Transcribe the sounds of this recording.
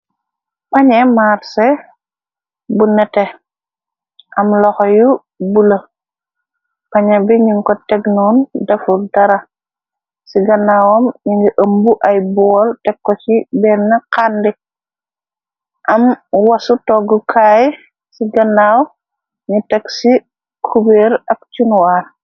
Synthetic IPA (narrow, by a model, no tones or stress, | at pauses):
pɐɲɛmaɾsɛ | bunɛtɛ | ʔɐmlɔxɔju | bulɐ | pɐɲɐbiɲiŋkɔtɛɡnuːndɐfudɐɾɐ | siɡɐnːaːwɔmɲiiʔəmbuʔɐjbɔːltɛkːɔt͡ʃibɛːnːɐqaːndi | ʔɐmwɐsutɔɡukʰaːj | siɡɐnːaw | ɲutɛksi | kʰubeːɾɐk̚t͡ʃunwaːɾ